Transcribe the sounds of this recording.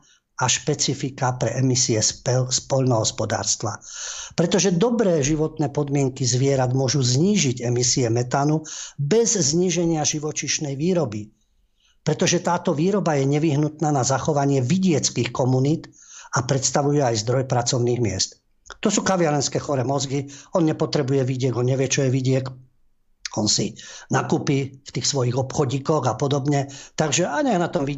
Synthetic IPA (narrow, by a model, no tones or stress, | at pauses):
aʃpɛt͡sifikapɾɛʔɛmisiɛspɔʎnɔɦɔspɔd̪a̰ːɾst̪ʋa̰pɾɛt̪ɔʒɛd̪ɔbɾɛːʒiʋɔt̪nɛːpɔd̪mɪɛŋkizʋɪɛɾad̪mʊɔʒuzɲiːʒiɟɛmisiɛmɛt̪anubɛzzɲiːʒɛɲɪaʒiʋɔt͡ʃiʃnɛjʋiːɾɔbi | pɾɛt̪ɔʒɛt̪aːt̪ɔʋiːɾɔbajɛɲɛʋiɦnut̪naːnazaxɔʋaɲɪɛʋiɟɪɛt͡skixkɔmuniːt̪apɾɛt̪st̪aʋujɛajzd̪ɾɔjpɾat͡sɔʊniːɣmɪɛ̰st̪ | t̪ɔsuːkaʋɪaɾɛnskɛːxɔɾɛmɔzɡiɔnɲɛpɔt̪ɾɛbujɛʋiɟɪɛɡɔnɲɛʋɛt͡ʃɔjɛʋiɟɪɛk | ɔnsinakupift̪iːxsʋɔjiɣɔpxɔɟiːkɔɣapɔd̪ɔbɲɛt̪aɡʒɛaɲɛnat̪ɔmʋi